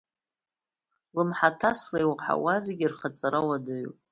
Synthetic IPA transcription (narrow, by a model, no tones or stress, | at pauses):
lɨmħatʰaslajwħa̰wazeɡʲirχat͡sʼaɾawadɨɥṵp